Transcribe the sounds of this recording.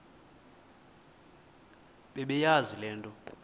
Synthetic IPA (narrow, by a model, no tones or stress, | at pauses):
ɓɛɓɛjazilɛːntʼɔ